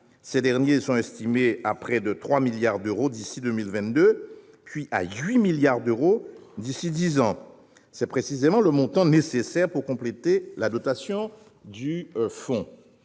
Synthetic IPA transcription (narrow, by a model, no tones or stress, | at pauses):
sɛd̪ɛʁnjesɔ̃ɛst̪imeapχɛd̪ət̪χwamiljaʁd̪øʁod̪isid̪ømilvɛ̃t̪̚d̪ø | pɥiʔa̰ɥimiljaʁd̪øʁod̪isid̪izɑ̃ | sɛpχesizemɑ̃ləmɔ̃t̪ɑ̃nesesɛʁpuʁkɔ̃plet̪elad̪ɔt̪asjɔ̃ | d̪yfɔ̃